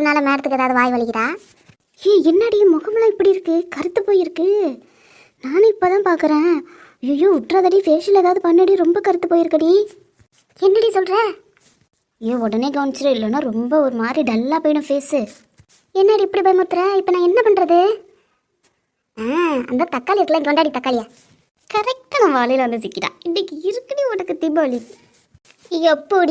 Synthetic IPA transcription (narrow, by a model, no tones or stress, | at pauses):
ɐɐnaːlɐmeːɾɐt̪ːɯkɯɛːðaːʋðɯʋaːjʋɐɭɪkːɪɾãː | eːɛnːaɽijmɔɣɐmɐlaːɪpːɐɽiɪɾɯkːɯkɐɾɯt̪ːɯpːoːjɪɾɯkːɯ | naːnɪpːoːt̪ãːpaːɾkɯɾẽː | joːjoːʊʈːraːðɐɽifeːsɪlɛːðaːðɯpɐnːɐɽijɾɔmbɐkɐɾɯt̪ːɯpːoːjɪɾɯkːɐɽi | ɛnːɐɽisɔlɾẽː | eːɔɽɐneːkɐʋɐnt͡ʃːɐɾɐɪlːɐnːaːɾɔmbɐɔɾɯmaːd̪ɾiɖɐlːaːpoːjɪnɯ̃peːsɯ | ɛnːaːɽiɛpːɐɽipɐːjmɐɾt̪ːɯɾẽːɪpːɐnãːɛnːɐpɐɳɾɐðɯ | aːɐ̰nd̪aːt̪ɐkːaːliɪɾɯkːɐlaːɪŋɡɛʋɐɳɖaːɽit̪ɐkːaːlɪja | kɐɾɛk̚ʈɐnãʋaːlɐjɪlʋɐnd̪ɯsɪkːɪʈã̰ːɪnːɪkːɯɪɾɯkːɐɽiɔɽɐkːɯt̪ibɐli | jɛpːoɽi